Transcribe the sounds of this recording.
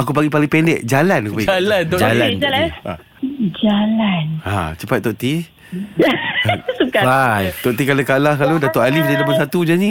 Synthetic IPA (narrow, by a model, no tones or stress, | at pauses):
akup̬aɡipaliŋpɛndɛʔd͡ʒalanakupaalant̪od͡ʒaland͡ʒala̰ | d͡ʒalana̰t͡ʃəpat̪̚t̪ɔoʔt̪i | sukaajt̪oʔt̪̬ikalakalahkalodat̪oʔalifdalapansat̪ud͡ʒanĩ